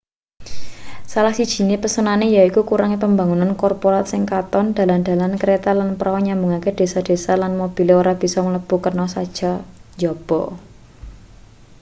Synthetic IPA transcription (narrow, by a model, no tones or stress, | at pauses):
salahsid̥ʒ̥i̤nepəsənanejaikukuɾaŋipəmbaŋunankɔrpoɾat̪sɪŋkat̪ɔnd̪̥ä̤land̪̥a̤lankəɾet̪alanpəɾaɔɲambuŋaked̪̥e̤sad̪̥e̤salanmob̥ileoɾab̥i̤sɔmələb̥ṳkərnɔsad̥ʒ̥a̤ɲd͡ʒɔb̥ɔ